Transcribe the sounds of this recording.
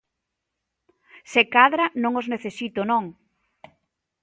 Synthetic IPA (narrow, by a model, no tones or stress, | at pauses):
sekaðɾanõŋozneθesit̪onõŋ